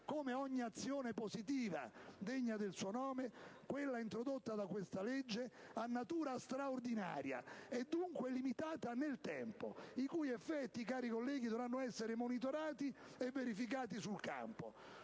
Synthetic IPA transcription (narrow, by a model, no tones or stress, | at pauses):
koːmeɔɲːiat̪sːjoːnepozit̪iːva̰d̪eɲːad̪elsuonɔːmekwelːaint̪ɾod̪ot̪ːad̪akwest̪aled͡ʒːe | anːat̪uːɾast̪ɾaord̪ina̰ːɾja̰ɛd̪ːuŋkwɛlːimit̪aːt̪anelt̪ɛ̰mpo̰ikujɛfːɛt̪ːikaːɾikolːɛːɡid̪ɔvɾanːʊɛsːeɾɪmonit̪oɾaːt̪i | ɛvːeɾifik̬aːt̪isulka̰mpo̰